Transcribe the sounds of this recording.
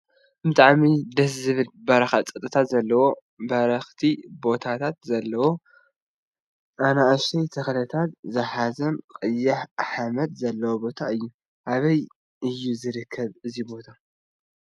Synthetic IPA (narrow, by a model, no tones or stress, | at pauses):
bɨt̪ʼaʕmid̪ɐs̬zɨβɨlbɐɾɐxat͡sʼɐt̪ʼːɨt̪ʰat̪zɐlːɐwo̞ | bɐɾɐxt̪ʰibo̞t̪ʰat̪ʰat̪zɐlːɐwo̞ | ʔanaʔaʃɐjt̪ʰɐxlɐt̪ʰat̪zɐħazɐnqʼɨjːɐħħamɐd̪zɐlːɐwobo̞t̪ʰaɨjːu | ʔaβɐj | ɨjːuzɨɾɨkʰːɐβɨzibo̞t̪ʰa